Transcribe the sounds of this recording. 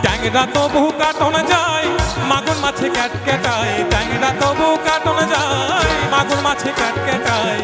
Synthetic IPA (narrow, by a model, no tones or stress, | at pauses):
ɖ̪ɛŋeɾat̪oboɦukaʈɦoned͡ʑajmaɡoɾmat͡ɕʰekɛʈ̚kɛʈajɖɛŋeɾat̪oboɦukaɾʈɦoned͡ʑajmaɡoɾmat͡ʃʰekɛʈkɛʈaj